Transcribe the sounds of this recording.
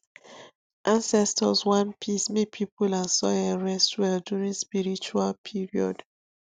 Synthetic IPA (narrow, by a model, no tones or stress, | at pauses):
ʔãnsɛstʰɔswãnpʰismek̚pʰipulãsɔɛɹɛstwɛldjuɹĩnspiɹit͡ʃualpʰiɹiɔ̰d̥